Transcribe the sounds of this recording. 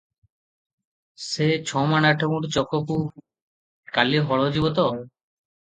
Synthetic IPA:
set͡ɕʰɔmanaʈʰokũʈt͡ɕɔkːoku | kaliɦɔɭod͡ʑibot̪o

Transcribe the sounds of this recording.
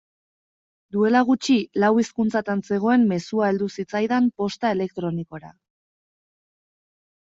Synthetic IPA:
d̪ue̞laɣ̞ut͡ʃilawiskunt͡sat̪anse̞ɣ̞o̞e̞mːe̞suae̞ld̪usit͡sajðampo̞st̪ae̞le̞k̚t̪ɾo̞niko̞ɾa̰

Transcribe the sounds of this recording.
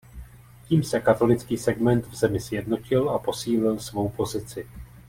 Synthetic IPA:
ciːmsɛkat̪o̞lɪt͡skiːsɛɡmɛnt̪vzɛmɪsjɛdno̞cɪlapo̞siːlɪlsvo̞wpo̞zɪt͡sɪ

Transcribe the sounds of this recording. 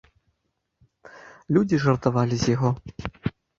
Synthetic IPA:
lʲud͡zʲiʐɐrt̪avalʲizʲjaɣɔ

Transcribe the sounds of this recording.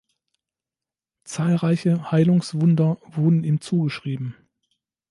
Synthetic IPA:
t͡saːlʁaɪçəhaɪlʊŋsv̥ʊndɐvʊɐdn̩iːmt͡suːɡəʃʁ̥iːbm̩

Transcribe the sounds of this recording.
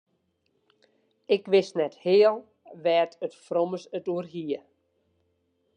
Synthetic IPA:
ɪkʋɪsnɛthɪːəlˠ | ʋɛːtətfroməsətuərɦiə

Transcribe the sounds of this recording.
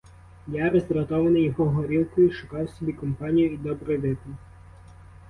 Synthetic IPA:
jaɾɐzʲd̪ʲɾɐt̪ɔʋɐnɪjɔɦɔɦɔɾʲilˠkʊjiʃʊkɑjsɔbʲikɔmpɑnʲijʊid̪ɔbɾɔjʋ̪ɪp̪ɔ

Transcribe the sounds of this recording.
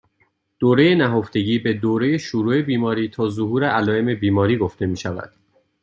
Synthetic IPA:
d̪̥oːɾe̞je̞næɦoft̪e̞ɟiːbe̞d̪oːɾe̞je̞ʃuɾuːe̞biːmɒːɾiːt̪ʰɒːzoɦuːɾeʔælɒːeme̞biːmɒːɾiːɡo̞ft̪e̞miːʃævæ̰d̪̥

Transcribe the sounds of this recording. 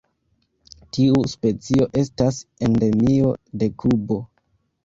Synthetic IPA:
tiuspe̞t͡sio̞ʔe̞stasende̞mio̞de̞kubo̞

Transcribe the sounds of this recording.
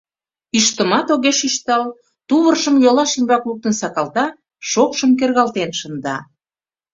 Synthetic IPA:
iʃt̪ə̆mɑt̪oɣeʃiʃt̪ɑl | t̪uβərʃəmjolɑʃimbɑkluk̚t̪ənsɑkɑlt̪ɑ | ʃokʃəmk̬erɣɑlt̪enʃə̆nd̪ɑ̰

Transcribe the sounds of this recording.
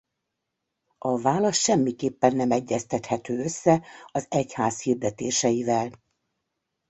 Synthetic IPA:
ɒvaːlɒʃʃɛmːikeːpːɛnːɛmɛɟːɛst̪ɛt̪hɛt̪øːøsːɛɒzɛchaːshiːrd̪ɛt̪eːʃɛjivɛl

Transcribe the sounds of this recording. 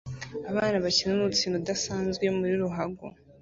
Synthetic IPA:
aβaːnaβaciɾanuut͡siːnodasaːnzɡwe̞muɾiɾuɦaɡo̰

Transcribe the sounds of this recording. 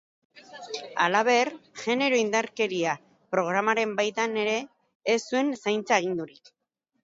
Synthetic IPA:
alaβ̞e̞rʝe̞ne̞ɾo̞ind̪aɾke̞ɾia | pɾo̞ɣ̞ɾamaɾe̞mbajt̪ane̞ɾe̞ː | sue̞nsajnt͡saeɣ̞ind̪uɾik

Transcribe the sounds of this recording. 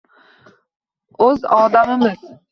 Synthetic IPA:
ɵzɒːd̪amɪmɪz

